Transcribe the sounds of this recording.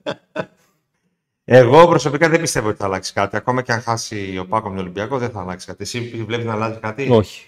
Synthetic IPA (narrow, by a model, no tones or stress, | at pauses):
e̞ɣo̞pɾo̞so̞pikɐðembist̪e̞voot̪iθɐːlɐksi̥skɐt̪iɐko̞mɐceɐŋxɐsio̞pɐkomɲolimbiɐko̞ðenθɐːlɐksi̥skɐt̪iesipvle̞piznɐːlɐzikɐt̪ioçi̥